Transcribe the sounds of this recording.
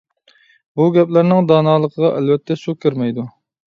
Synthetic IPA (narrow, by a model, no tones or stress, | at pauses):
buɡʲɛplæɾnɪŋd̪ɑːnɑːlˠəqʰəʁɑʔælvɛt̪ʰːɛsukʲʰːɪɾmɛjd̪u